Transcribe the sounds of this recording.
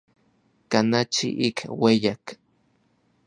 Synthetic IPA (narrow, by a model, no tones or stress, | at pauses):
kanat͡ʃḭʔikʰwejak